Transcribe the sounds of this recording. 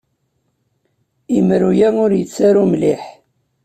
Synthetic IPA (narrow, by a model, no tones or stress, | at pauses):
imɾujæʊɾjət͡sːaɾumliħ